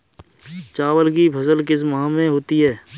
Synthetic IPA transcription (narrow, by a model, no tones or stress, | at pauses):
t͡ʃaːwəlk̬ipʰəsəlkɪs̬mɦãmẽɦoːt̪iɦɛː